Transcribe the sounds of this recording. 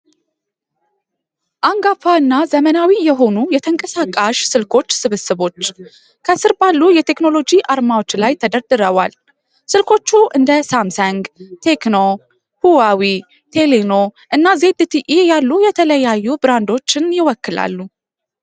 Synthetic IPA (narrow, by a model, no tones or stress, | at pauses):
ʔaŋɡafaɨnːazəmənawijɛɦo̞nujɛt̪ʰəŋkʼəsakʼːaʃsɨlkʰo̞t͡ʃːsɨβɨsɨβo̞t͡ʃː | kʰəsɨɾbalːujɛt̪ʰe̞kno̞lo̞d͡ʒiʔaɾmawo̞t͡ʃːlajt̪ʰəd̪əɾd̪ɨɾəwa̰l | sɨlkʰo̞t͡ʃːuʔɨnd̪əsamsaŋɡt̪ʰe̞kno | huwawi | t̪ʰe̞leno̞ʔɨnːaze̞d̪ɨt̪ʰiʔijalːujɛt̪ʰələjajːubɨɾand̪o̞t͡ʃːɪnjɪwɔkːɨla̰lːu